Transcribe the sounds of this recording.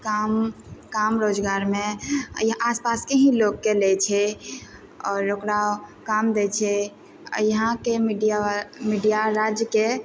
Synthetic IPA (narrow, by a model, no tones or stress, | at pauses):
kamkamɾod͡ʒɡaɾmẽjaspaskeɦĩloɡkelɛt͡ʃʰɛ | ɔːɾokɾakamd̪et͡ʃʰɛ | jəɦãkemiɖiamiɖijaɾad͡ʒjəke